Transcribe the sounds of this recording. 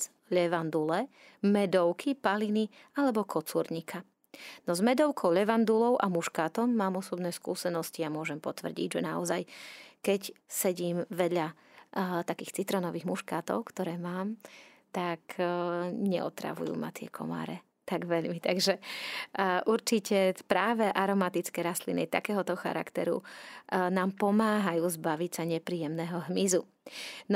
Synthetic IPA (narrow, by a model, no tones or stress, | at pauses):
ʎɛʋand̪ulɛ | mɛd̪ɔʊkʰipalinialɛbɔkʰɔt͡suɾɲikʰa | nɔzmɛd̪ɔʊkʰɔʊʎɛʋand̪ulɔʊʔamuʃkaːt̪ɔmːaːmɔsɔbnɛːskṵːsɛnɔsciamʊɔʒɛmpɔt̪ʋr̩ɟḭɟʒɛnaɔzajkɛcsɛɟiːmʋɛd̪ʎa | t̪akiːxt͡sit̪ɾɔnɔʋiːɣmuʃkaːt̪ɔ̰ʊkt̪ɔɾɛːmaːmt̪ak | ɲɛʔɔ̰t̪ɾa̰ʋṵjṵːma̰t̪ɪɛ̰kʰɔ̰ma̰ːɾɛ | t̪aɡʋɛʎmit̪aɡʒɛ | ʔuɾt͡ʃicɛpɾaːʋɛʔaɾɔmat̪it͡skɛːɾast̪lḭnḭt̪a̰kɛːɦɔt̪ɔxa̰ɾa̰kt̪ɛɾṵ | naːmpɔmaːɦajuːzbaʋicsaɲɛpɾiːjɛmnɛɦɔɦmizu | n